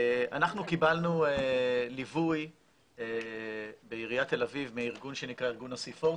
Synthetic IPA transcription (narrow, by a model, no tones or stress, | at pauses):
a̰naχnukibalnuelivuj | e | beiʁijat̪e̞lavivmeaiʁɡunʃenikʁaiʁɡunasifo